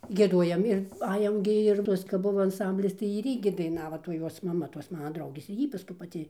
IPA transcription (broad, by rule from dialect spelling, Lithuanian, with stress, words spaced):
ɡʲiɛˈduɔjɛm ɪr ˈɑːjɛm ɡʲɪ ɪr ˈtuɔs kɐp ˈbʊʋoː ɐnˈsɐmʲbʲlʲɪs tɐɪ ɪr ˈiː ɡʲɪ dɐɪˈnɑːʋoː toːj ˈjuɔs mɐˈmɐ toːs ˈmɑːnɐ ˈdrɐʊɡʲeːs ɪr ˈjiː pɐˈskʊɪ pɐˈtʲɪ